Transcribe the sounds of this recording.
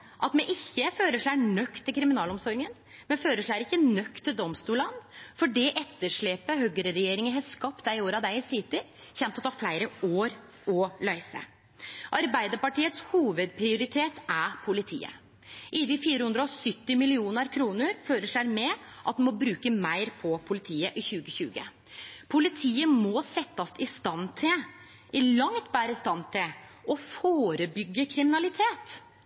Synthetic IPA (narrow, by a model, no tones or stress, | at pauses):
ʔɑt̪mɛʔɪçːəføːɾəʂɭæːnœkt̪ʰːɪlkʰɾɪmɪnɑːlɔmsɔɾɪŋən | mɛføːɾəʂɭæːɾɪçːənœkt̪ʰːɪld̪ɔmst̪uːlɑnːfɔɖɛʔɛt̪ːəʂɭeːpəhœɡəɾəɾɛjeːɾɪŋənɦɑskɑp̚t̪̚d̪æɪɪoːɾɑd̪æɪɪsɪt̪ɪ | çɛmpt̪ɔt̪ʰɑːflæɪɾəoːɾ | ɔlæɪsə̰ | ʔɑɾbæɪd̪əɾpɑʈiːət̪shuːʋəd̪pʰɾɪʊɾɪt̪ʰeːt̪æpʰʊlɪt̪ʰḭːə̰ | ʔɪd̪ɪfiːɾəhʉnd̪ɾəɔsʏt̪ːɪmɪlɪuːnəɾkʰɾuːnəɾføːɾəʂɭæɾmɛʔɑt̪̚d̪ɛmɔbɾʉːkəmæɪɾpʰɔpʰʊlɪt̪ʰiːəʔɪçʉːɡəçʉːɡə̰ | pʰʊlɪt̪ʰiːəmɔsɛt̪ːəsɪst̪ɑnt̪ʰɪl | ɪlɑŋt̪bæːɾəɪst̪ɑnt̪ʰɪlʔɔfoːɾəbʏɡːəkʰɾɪmɪnɑlɪt̪ʰeːt̪